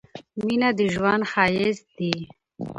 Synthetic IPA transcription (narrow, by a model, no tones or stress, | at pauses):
minad̪iʒwanxaːjezd̪i